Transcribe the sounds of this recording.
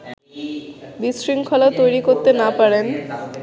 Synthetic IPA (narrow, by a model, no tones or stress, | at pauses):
bisɾiŋkʰɔlat̪ojɾikoɾt̪enapaɾen